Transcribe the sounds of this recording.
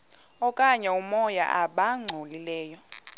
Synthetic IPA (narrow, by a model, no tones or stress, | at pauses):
ɔkʼaɲɛumɔja̰ʔaɓaŋ͡ǀʱolilɛːjɔ